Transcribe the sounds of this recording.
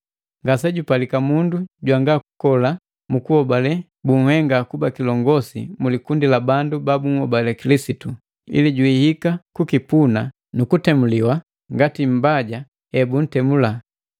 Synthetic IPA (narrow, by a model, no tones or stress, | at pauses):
ŋɡasɛɟupalikamunduɟwaŋɡaku̥kɔla | mukuhɔbalɛ | buŋ̩hɛŋɡakubakilɔŋɡɔsḭmulikundilabandubabuŋ̩hɔbalɛkilisitu | ḭliɟwihikakukipuna | nukutɛmuliwa | ŋɡatim̩baɟa | ɛbun̩tɛmula